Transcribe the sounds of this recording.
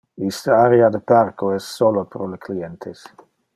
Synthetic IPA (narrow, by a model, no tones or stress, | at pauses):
ist̪əaɾead̪eparkoɛssːolopɾolekliɛnt̪ʰes